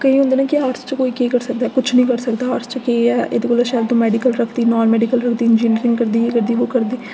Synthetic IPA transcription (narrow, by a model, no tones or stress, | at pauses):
kəĩːɦʊ̃nd̪aːnaːkɪaːɾst͡ʃəkoːiːkeːkəɾsək̚d̪aːkʊt͡ʃʰnəĩːkəɾsəkd̪aːaːɾst͡ʃkeɛːḛd̪eːkoːlaʃaːlt̪õːmɛːɖiːkəlɾəkʰd̪iːnɔːnmɛːɖiːkəlɾəkʰd̪iːɪnd͡ʒiːniɾɪ̃ŋɡkəɾd̪iːekəɾd̪iːʋoːkəɾd̪iː